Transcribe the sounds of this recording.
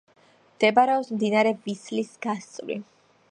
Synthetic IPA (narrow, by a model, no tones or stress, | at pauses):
md̪̥ɛbaɾɛɔpsmd̪inaɾɛvislisɡ̥ast̪sʼlḭ